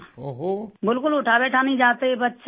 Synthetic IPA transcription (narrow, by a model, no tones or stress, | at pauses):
ɦbɪlkʊlʊʈʰabɛːʈʰanə̃ĩd͡ʒaːt̪eebətːʃ